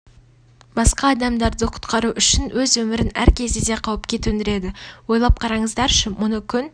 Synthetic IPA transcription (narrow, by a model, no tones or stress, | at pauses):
bɑsqɑːd̪ɑmd̪ɑɾd̪əqʰʊ̥t̪qɑɾuʔʏʃɪnwɵzwɵmɪɾɪnæ̰ɾkʲʰe̞zd̪ed̪e̞qʰɑwəpkʲʰe̞t̪wɵnd̪ɪɾe̞d̪ɪwo̞jlˠɑp̚qʰɑɾɑɴəzd̪ɑɾʃəmʊnəkʲʰʏn